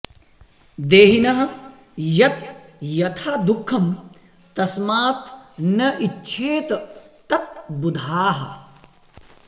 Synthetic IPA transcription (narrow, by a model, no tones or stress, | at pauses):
d̪eːɦinɐɦɐ | jɐt̪̚jɐt̪ʰaːd̪ukʰːɐm | t̪ɐsmaːt̪nɐʔiːt͡ʃʰeːt̪ɐt̪ɐt̪̚bud̪ʱaːɦɐ̰